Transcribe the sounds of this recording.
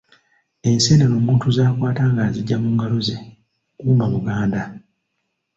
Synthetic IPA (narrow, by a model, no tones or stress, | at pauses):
e̞nse̞ːnano̞ːmuːntuzaːkwaːtaːŋɡaziɟːamuːŋɡaloze | kuːmbamuɡaːnda